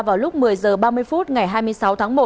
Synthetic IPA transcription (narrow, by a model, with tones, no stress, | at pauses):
vaː˨˩wlʊ˦˥k͡p̚mɨ˨˩əjzəː˨˩ɓaː˧mɨ˧əjfu˦˥t̚ŋa˨˩jɦaː˧jmɨ˧əsa˨˦wt̪ʰaː˨˦ŋmo˨˩